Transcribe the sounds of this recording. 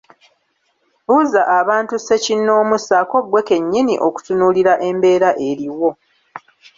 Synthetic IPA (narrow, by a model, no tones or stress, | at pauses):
βuzaʔaβaːntuse̞cinːo̞ːmusako̞ɡwe̞ke̞ɲːiniʔo̞ku̥tunuːliɾaʔe̞mbe̞ːɾaʔe̞ɾiwo̞